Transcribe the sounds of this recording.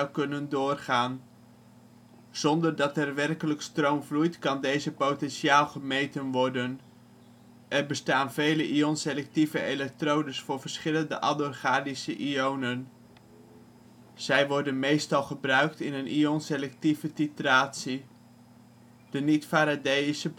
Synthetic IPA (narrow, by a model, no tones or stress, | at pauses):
wkɵnəndʊːrχaːn | z̥ɔndərdɑtɛrʋɛrkələkstrowmvlujtkɑndejzəpowtɛnʃiaːlˠχəmejtənʋɔɹdən | ʔɛrbəstaːnvejləʔionselɛk̚tivəelɛk̚trowdəsfʊːɹvərɹsχɪləndəʔɑdorχaːdisəʔiownən | z̥ɛjʋɔɹdənmejstɑlˠχəbrœɥk̚tɪnənʔionselɛk̚tivətitraːtsi | d̥ənitfaːɾadejisə